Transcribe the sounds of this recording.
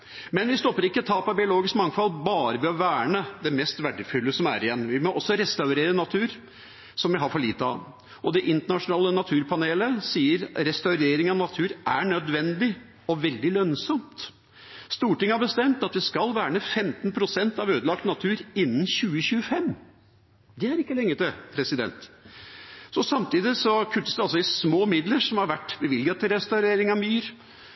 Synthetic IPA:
mɛnʋɪst̪ɔpːəɾɪkːət̪ʰɑːpɑbɪʊloːɡɪskmɑŋfɑlbɑːɾəʋɪɔʋæːɳəd̪ɛmɛst̪ʋæɖəfʉlːəsɔmæ̰ɾɪjɛnːʋɪmɔʔɔsːɔɾɛst̪ɑʉɾeːɾənɑt̪ʰʉːɾ | sɔmʋɪɦɑɾfɔɭiːt̪əɑ̰ | ʔɔd̪ɛʔɪnt̪əɳɑʂʊnɑːlənɑt̪ʰʉːɾpʰɑneːləsiːəɾɾɛst̪ɑʉɾeːɾɪŋɑʋnɑt̪ʰʉːɾʔæɳœd̪ʋɛnd̪ɪ | ɔʋɛld̪ɪlœnsɔmt̪ | st̪uːʈɪŋːəhɑɾbəst̪ɛmt̪ɑt̪ʋɪskɑlʋæːɳəfɛmt̪npʰɾʊsɛnt̪ɑʋøːd̪əlɑk̚t̪nɑt̪ʰʉːɾɪnːənçʉːəçʉːəfɛmː | d̪ɛæɾɪkːəlɛŋːət̪ɪpʰɾɛsɪd̪ɛ̰nt̪ | sɔsɑmt̪iːd̪ɪsɔkʰʉt̪ːəsd̪ɛɑlsɔɪsmoːmɪd̪ləʂɔmhɑɾʋæʈːbəʋɪlɡət̪ʰɪlɾɛst̪ɑʉɾeːɾɪŋɑmyːɾ

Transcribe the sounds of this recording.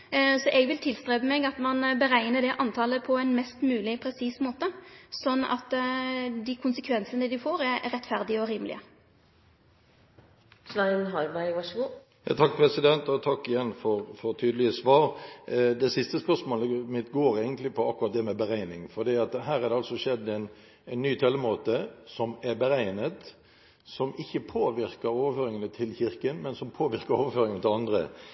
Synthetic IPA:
sɔʔɛɡʋɪlt̪ʰɪlst̪ʁeːbəmɛɡɑt̪mɑnbəɾæɪnəd̪ɛʔɑnt̪ʰɑːləpʰɔɛnmɛst̪mʉːlɪpʰɾɛsiːsmoːt̪əsɔnːɑ̰t̪ | d̪ikʰʊnsəkʰʋɛnsənəd̪ʉfoːɾɛɾɾɛt̪ːfæɾd̪ɪəɔɾiːmlɪ̰ə | sʋæɪnɦɑɾbæɪʋɑʂɡu | jɑt̪ʰɑk̚ːpʰɾɛsɪd̪ɛnt̪ɔt̪ʰɑkːɪjɛnːfɔɾfɔɾt̪ʰyːd̪əlɪəsʋɑːɾd̪ɛsɪst̪əspœʂmoːləmɪt̪ɡoːɾæɪɡənt̪lɪpʰɔɑkːʊɾɑt̪̚d̪ɛːmɛbəɾæɪnɪŋfɔd̪iːɑt̪ɦæːɾæd̪ɛɑlsɔʃɛd̪ːɛɪn | æɪnːyːt̪ʰɛlːəmoːt̪əsɔmæɾbəɾæɪnət̪ | sɔmɪçːəpʰoːʋɪɾkəɾoːʋəføːɾɪŋənət̪ʰɪlçɪʁkənmɛnsɔmpʰoːʋɪʁkəɾoːʋəɾføːɾɪŋnət̪ʰɪlɑnd̪ɾə̰

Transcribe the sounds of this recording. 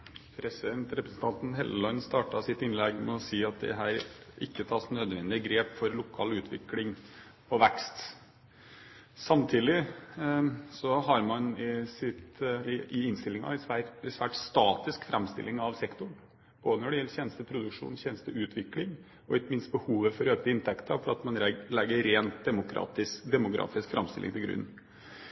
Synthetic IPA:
pʰɾɛsɪd̪ɛnt̪ɾɛpɾəsn̩t̪ʰɑnt̪n̩ɦɛləlɔnst̪ɑːʈɑsɪt̪ɪnlɛɡmɛɔsiːɑt̪̚d̪ɛ̰ɦæːɾʔɪkːət̪ʰɑːsnœd̪ʋɛnd̪ɪəɡɾeːpfɔɾlʊkʰɑːlʉːt̪ʰʋɪ̰klɪŋ | pʰɔʋækst̪ | sɑmt̪ʰiːd̪ɪ | sɔɦɑɾmɑnɪsɪt̪ɪɪnst̪ɪlːɪŋɑ̰ɪsʋæɾsʋæːʈst̪ɑːt̪ɪskfɾʔɛmst̪ɪ̰lːɪŋɑʋsɛkt̪ʊɳ | b̥oːd̪ənɔɖɛjɛlçɛnst̪əpʰɾʊd̪ʉkʂṵːnçɛnəst̪əʉːt̪ʰʋɪklɪŋ | ɔɪtmɪnst̪̚bəhuːʋəfɔɾøːkt̪əɪnt̪ʰɛkt̪əfɔɾɑt̪mɑnɾlɛɡːəɾeːnt̪̚d̪ɛmʊkʰɾɑ̰ːt̪ɪsd̪ɛmʊkɾɑ̰ːfɪskfɾɑ̰mst̪ɪlɪ̰ŋt̪ʰɪlɡɾʉ̰nː

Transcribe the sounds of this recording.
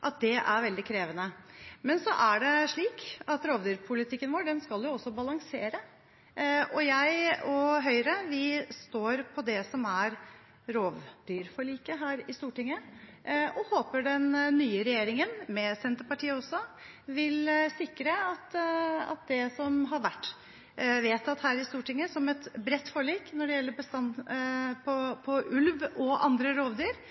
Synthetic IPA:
ʔɑt̪̚d̪ɛʔæɾʋɛld̪ɪkʰɾeːʋənəmɛnsɔʔæɖɛʂɭiːkɑt̪ɾoːʋd̪yːɾpʰʊlɪt̪ʰɪkːənʋoːɖɛnskɑlʋjʊɔsːɔbɑlɑŋseːɾə | ɔjæɪɔɦœʏɾəʋɪst̪oːɾpʰɔd̪ɛsɔmæɾ | ɾoːʋd̪yːɾfɔɭiːkəɦæːɾɪst̪uːʈɪŋːə | ʔɔhoːpəɖɛnːyːəɾɛjeːɾɪŋənmɛsɛnt̪əɾpɑʈiːəɔsːɔ | ʋɪlsɪkɾəɑt̪ɑ̰t̪̚d̪ɛsɔmɦɑɾʋæʈː | ʋeːt̪ɑt̪hæːɾɪst̪uːʈɪŋːəsɔmɛt̪bɾɛt̪ːfoːɭiːknɔɖɛjɛlːəɾbəst̪ɑn | pʰɔpʰɔʔʉlʋɔʔɑ̰nd̪ɾəɾoːʋd̪yːɾ

